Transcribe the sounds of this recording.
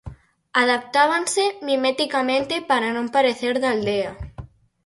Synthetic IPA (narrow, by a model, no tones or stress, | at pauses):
aðap̚t̪aβ̞ansemimet̪ikamẽnt̪epaɾanõmpaɾeθeɾðald̪ea